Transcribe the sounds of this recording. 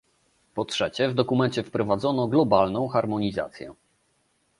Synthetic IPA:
pɔtʂɛt͡ɕɛvd̪ɔkumɛɲt͡ɕɛfpɾɔvad̪zɔnɔɡlɔbalnɔ̃w̃xaɾmɔɲiza̰t̪sʲjɛ̰

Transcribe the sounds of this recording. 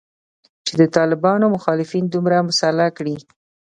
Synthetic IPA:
t͡ʃed̪ət̪ɑlɪbɑnomʊxɑlɪfind̪umɾamʊsalakɽi

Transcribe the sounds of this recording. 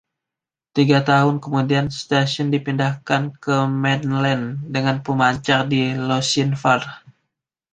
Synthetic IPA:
t̪iɡat̪aɦʊnkəmudianst̪asɔndipindahkankəmɛdlɛndəŋanpəmaɲt͡ʃardilosinfar

